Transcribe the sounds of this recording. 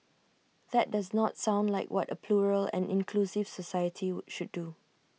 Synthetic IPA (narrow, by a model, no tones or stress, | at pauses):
ð̥ɛt̚daznɔtsãʊ̃ndlaɪkwʔɔtəpʰluɹəlɛ̰̃nɪ̃nkʰlusɪv̥sɔsajətʰiʃuddu